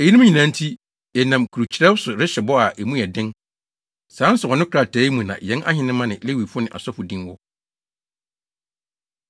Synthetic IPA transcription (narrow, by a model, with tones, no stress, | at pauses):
e˨ji˦nũ˦m˦ɲĩ˨nã˨˦n̩˦tʰi˦ | jɛ˨nã˨mkʰu˨ɾu˨t͡ɕʰɾɛ˦wsʊ˨ɾɪ˦ɕɛ˨bɔ˦a˨ʔe˨mũ˦ɛ˨dɪ̃˦n | sãː˨˦n̩˦sʊ˨hɔ˨nʊ̃˦kʰɾa˨tʰɛː˨˦i˦mũ˨nã̰˨jɛ̃˦na̰˦hɪ̃˦nɪ̃˦mːã˦nɪ̃˨le˦wi˨fʊ˦nɪ̃˨ʔa̰˨sɔ˦fʊ˨dĩ˦nwʊ˦